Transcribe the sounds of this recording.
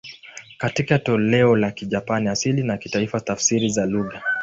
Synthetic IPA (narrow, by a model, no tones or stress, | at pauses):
katikatɔlɛɔlakiʄapaniasilinakitaifatafsiɾizaluɣa